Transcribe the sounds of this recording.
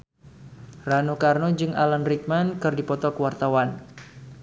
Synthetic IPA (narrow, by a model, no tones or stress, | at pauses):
ranukarnod͡ʒɨŋa̰lanrik̚mankɨrdipɔt̪ɔkəwart̪awan